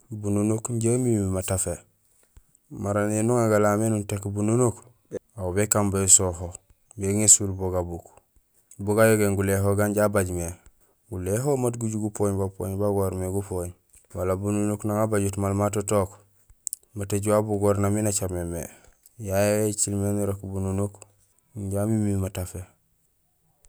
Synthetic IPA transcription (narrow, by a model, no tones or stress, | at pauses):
bununukɲɟamimimatafe | maɾanenuŋaɡalamenuntekbununuk | awbekambasoho | beŋesulboɡabuk | buɡajoɡeŋɡuleɦoɡanɟabaɟme | ɡuleɦomatɡuɟuɡupoɲbapo̰ːɲbaɡoɾmeɡupoɲ | walabununuknaŋabaɟutmalmatotok | mateɟuwabuɡoɾnaminat͡ʃamemḛ | jajeet͡ʃilmenuɾokbununuk | ɲɟamimimatafe